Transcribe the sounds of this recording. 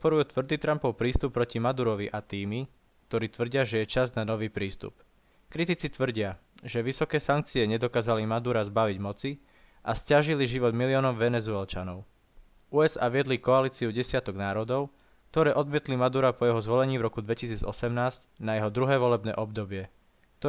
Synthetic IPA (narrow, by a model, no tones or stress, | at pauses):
pɔt̪̚pɔɾujuːt̪ʋr̩d̪iːt̪ɾampɔʊpɾiːst̪upːɾɔcimad̪uɾɔʋiʔat̪iːmi | k̚t̪ɔɾiːt̪ʋr̩ɟɪaʒɛjɛt͡ʃaznanɔʋiːpɾiːst̪ṵp | kɾit̪it͡sit̪ʋr̩ɟɪa | ʒɛʋisɔkɛːsaŋk̚t͡siɛɲɛd̪ɔkaːzalimad̪uɾazbaʋiɟmɔt͡si | ʔascaʒiliʒiʋɔd̪miliɔːnɔʊʋɛnɛzuɛlt͡ʃanɔʊ | ʔuːɛza̰ːʋɪɛd̪likɔaliːt͡siuɟɛsɪat̪ɔɡnaːɾɔd̪ɔʊ | k̚t̪ɔɾɛːʔɔd̪mɪɛt̪limad̪uɾapɔjɛɦɔzʋɔlɛɲiːvɾɔkud̪ʋɛcis̬iːd͡zɔ̰sɛmnaːscnajɛɦɔd̪ɾuɦɛːʋɔlɛbnɛ̰ːʔɔbd̪ɔbɪɛ | t̪ɔ